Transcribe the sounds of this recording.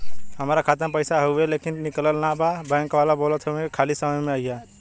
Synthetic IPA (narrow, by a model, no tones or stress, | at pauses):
ɦəmaːɾakʰaːt̪əmpəɪsaɦowɦeleːkɪnːɪkləlnababɛ̃ːŋkʋaːlaboːlət̪ɦoẽkʰaːlisəməjmẽaija